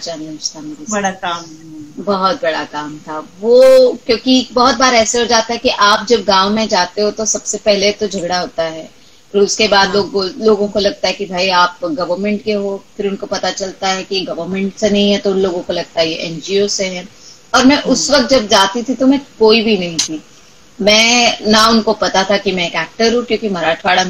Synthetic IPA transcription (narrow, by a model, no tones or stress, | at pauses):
t͡ʃaːnɐʃt̪ʰameɾiɐɽaaːbɐɦʊt̪̚bɐɽakaːmt̪ʰaːʋoːkjõːkibɔɦʊt̪̚baːɾɛːseɦod͡ʒaːt̪aɦɛkiʔaːp̚d͡ʒɐb̚ɡãːʊmẽd͡ʒaːt̪eɦot̪osɐbsepɛɦlet̪od͡ʒʱɐɡɽaɦoːt̪aɦɛː | ɾʊskebaːd̪loːɡoloːɡõkolɐɡ̚t̪aɦɛkibʱaːiaːpɡɐʋəɾmɛ̃ɳʈkeɦofʰɪɾʊnkopɐt̪at͡ʃɐlt̪aɦɛkiɡɐʋəɾmɛ̃ɳʈsenɐɦĩɦɛt̪oʊnloːɡõkolɐɡ̚t̪aɦɛjeʔɛ̃ːnd͡ʒiːoseɦɛ̃ː | ɔːɾmɛ̃ʔʊsʋɐk̚t̪̚d͡ʒɐbt̪̚d͡ʒaːt̪it̪ʰit̪omɛ̃koːibʱinɐɦĩt̪ʰi | mɛ̃ːnaʊnkopɐt̪at̪ʰakimɛ̃eːkɛːk̚ʈəɾɦũkjõːkimɐɾaːʈʰaːɽa